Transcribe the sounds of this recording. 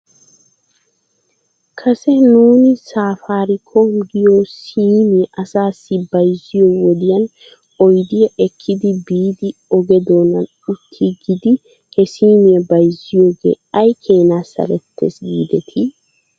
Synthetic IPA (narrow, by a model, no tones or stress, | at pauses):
kʰɐsɛnuːnɪsaːfaːɾɪkʰomɡɪjoːsiːmɪʔɐsaːsːɪbɐjzɪjowɔd̪ɪjɐn | ɔjd̪ɪjɐʔɛkʰːɪd̪ɪbiːd̪ɪɔɡɛd̪o̞ːnɐn | ʊt̪ʰːiɡɪd̪ɪ | hɛsiːmɪjɐbɐjzɪjo̞ːɡḛːɐjkʰeːnaːsɐ̰lɛt̪ːḛːsɡḭːd̪ɛt̪ʰɪ